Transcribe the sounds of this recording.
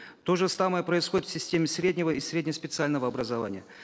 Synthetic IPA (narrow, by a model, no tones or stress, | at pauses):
t̪o̞ʐɨsaməjəpɾəɪsxodɪt̪fsʲɪsʲtʲemʲɪsɾʲedʲnʲɪvəisɾʲedʲnʲəspʲɪt̪sɨalʲnəvəɐbɾəzɐva̰nʲɪjə̰